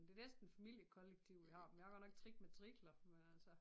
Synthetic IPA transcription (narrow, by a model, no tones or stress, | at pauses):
d̥e̝nesd̥n̩fæmil̰jəkʰɒ̽leɡ̥̚t͡sʰiʊ̰ʋihɑ̈ːmenjɑ̈ɡ̥ɒ̥nɒ̽ɡ̥̚t͡sʰʁiɡ̥̚met͡sʰʁiɡ̥lɐmenælsɒ